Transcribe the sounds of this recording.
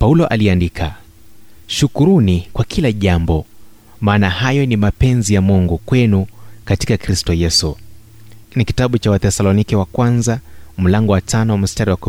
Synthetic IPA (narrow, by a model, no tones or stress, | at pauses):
paulɔʔaliandikʰa | ʃukuɾunikwakʰilaʄambɔ | maːnahajɔnimapɛnzijamuŋɡukwɛnukati̥kakɾistɔjɛsu | nikitaɓut͡ʃawaθɛsalɔnikɛwakwanzam̩laŋɡɔwatanɔwam̩staɾiwaku